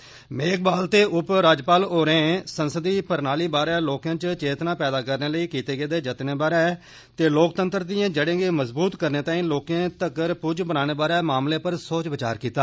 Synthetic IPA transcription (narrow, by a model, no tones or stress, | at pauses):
meːk̚baːlt̪eːʔʊpɾaːd͡ʒpaːloːɾẽːsənsəd̪iːpəɾnaːliːbaːɾɛːloːkãːt͡ʃt͡ʃeːt̪nãːpɛːd̪aːkəɾneːləiːkiːt̪eːɡeːd̪eːd͡ʒət̪neːbaːɾɛː | t̪eːloːkt̪ənt̪əɾd̪ɪjãːd͡ʒəɽẽːɡeːməzbuːt̪kəɾneːt̪ãːĩːloːkẽːt̪əkəɾpʊd͡ʒbənaːɽ̃eːbaːɾɛːmaːmleːpəɾsoːt͡ʃbət͡ʃa̰ːɾkiːt̪aː